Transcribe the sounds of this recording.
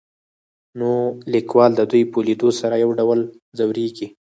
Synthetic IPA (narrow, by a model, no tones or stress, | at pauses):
nolɪkwɑld̪əd̪ujpoled̪osaɾajawɖawəl | zawɾeɡi